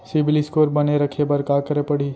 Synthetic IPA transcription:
sɪbliskoːɾbɐneɾɐkʰebɐɾkaːkəɾepɐɽ̤i

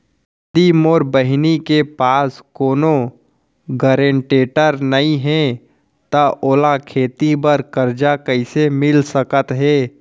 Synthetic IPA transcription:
t̪iːmoːɾbəɦɪnikepaːskoːno | ɡəɾẽɳʈeːʈəɾnəĩɦɛ̃ | t̪aʔoːlakʰeːt̪ibəɾkəɾd͡ʒakəɪsemɪlsəkət̪ɦɛː

